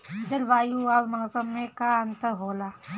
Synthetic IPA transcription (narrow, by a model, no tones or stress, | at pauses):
d͡ʒɐlbaːjuaːɾmaːsəmːẽkaɐnt̪əɦoːlaː